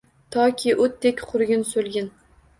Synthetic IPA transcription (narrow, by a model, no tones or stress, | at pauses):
t̪ʰɒkʲʰɪʔot̪̚d̪ekʲqʰʊɾɡʲɪnsolɡʲɪn